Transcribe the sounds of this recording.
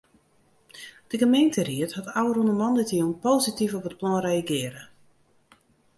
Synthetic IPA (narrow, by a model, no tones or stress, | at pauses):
d̥əɡəmeːntəriəthatawərunəmɔndətionpoːzitifɔpət̚plɔnrejaɡɪəɾə